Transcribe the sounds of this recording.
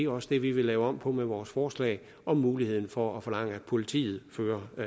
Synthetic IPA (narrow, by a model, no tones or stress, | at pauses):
e̝ɒ̽səd̥e̝ʋiʋe̝lɛːʊɒ̽m̰pʰɒ̽meʋɒːsfɒːslɛ̰ɪ | ʔɒ̽mːuːlihe̝ð̰ˠn̩fɒæfɒ̽lɑ̈ŋ̰əæd̥pʰo̝lit͡sʰḭːð̞̩ˠføːɐ